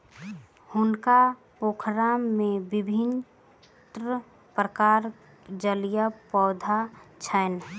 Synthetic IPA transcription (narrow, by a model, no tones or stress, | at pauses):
hʊnka | poːkʰɾaːmːẽbɪbʱɪn | t̪ɾə | pɾəkaːɾ | d͡ʒəlijapɔːd̪ʱat͡ʃʰən